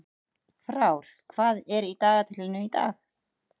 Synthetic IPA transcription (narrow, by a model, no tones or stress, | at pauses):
fɾaːwɾ̥kʰvaːðɛɾit̪aːɣat̪ʰɪlɪnʏit̪a̰ːx